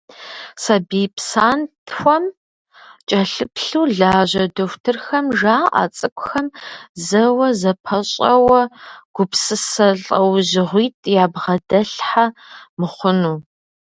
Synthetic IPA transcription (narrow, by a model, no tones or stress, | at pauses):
sɐbiːpsaːntʰxʷɔm | t͡ʃʼɐɬɨpɬuːɮaːʒʑɐdoxʷtʰɨrxɐmʒaːʔa̰t͡sʼɨkʷʼʊxɐmzɐwɐzɐpʰɐɕʼɐwɐɡ̥ʷʊpsɨsɐɬʼɐwʑɪʁʷiːtʼjaːbʁɐdɐɬħamɨχʷʊnuː